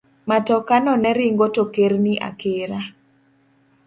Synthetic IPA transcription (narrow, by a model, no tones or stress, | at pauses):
matɔkanɔnɛɾiŋɡotokeɾniʔa̰keɾa